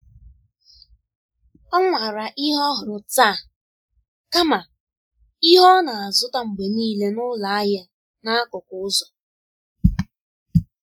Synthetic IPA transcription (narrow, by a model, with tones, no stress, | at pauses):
ɔ˦ŋʷa˨ɾa˨ʔi˦ɦɔ˦ɦʊ˨ɾʊ˨ta˦˨ | ka˦ma˨ | i˦ɦɔ˦na˨a˨zʊ˦ta˦ŋ͡m̩˨ɡ͡be˨niː˦le˦nʊ˦la˨a˦ja˦ | na˦a˦kʊ˨kʊ˨˦ʊ˦zɔ˨